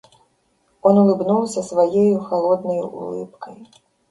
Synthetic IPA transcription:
ɔnulˠɨbnuwsʲɐsvajejuxalˠɔd̪nɐjṵṵlˠɨ̰pkʰɐj

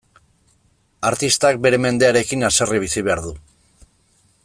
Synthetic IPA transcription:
aɾt̪ist̪ak̚be̞ɾe̞me̞nd̪e̞aɾe̞kinaseriβ̞isiβe̞aɾðu

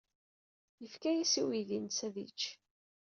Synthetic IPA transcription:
jəfkæjæsiwilinsæðḭt͡ʃː

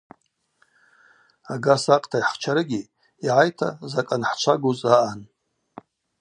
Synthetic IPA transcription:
aɡasaqʼtʰajħt͡ʃʰaɾɨɡʲi | iʕajtʰa̰zakʼanħt͡ʃʷʰaɡuzaʔan

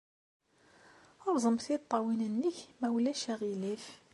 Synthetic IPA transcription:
ʊɾˤzˤəmθit̪ˤːɑwinənːəçmæwlæʃæʁilif

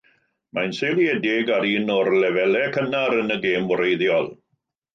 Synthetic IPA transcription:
manselˠjɛdɪɡaɾiːnɔrlɛvɛlɛkʰənaɾənəɡeːmɔɾejðjɔlˠ

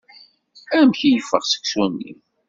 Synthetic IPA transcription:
æmçijəfəʁsə̥ksunːḭm

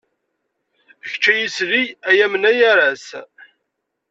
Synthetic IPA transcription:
əçt͡ʃːæjisɾijæjæmənæjæɾæs

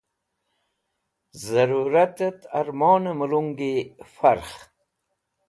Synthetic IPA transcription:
zaɾuɾat̪et̪aɾmoːnəməluŋɡifaɾx

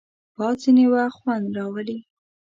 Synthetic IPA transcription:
b̥ɑzinewaxwand̪ɾɑwəli

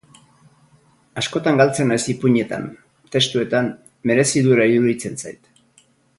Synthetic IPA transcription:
asko̞t̪aŋɡalt͡se̞najsipuɲe̞t̪a̰n | t̪e̞st̪ue̞t̪an | me̞ɾe̞siðueɾaiðuðit͡se̞nsa̰jt̪

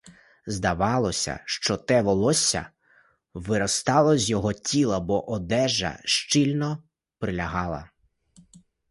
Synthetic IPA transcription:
zd̪ɐʋɑlˠɔsʲɐ̰ʃt͡ʃɔt̪ɛʋɔlˠɔsʲɐ̰ | ʋɪɾɔst̪ɑlˠɔzʲjɔɦɔtʲilˠɐbɔʔɔd̪ɛʒɐ̰ʃt͡ʃilʲnɔ | pɾɪlʲɐɦɑlˠɐ̰

